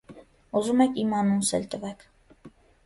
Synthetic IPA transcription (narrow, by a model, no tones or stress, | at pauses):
uzumɛkʰimɑnunsɛ̰lt̪əvɛkʰ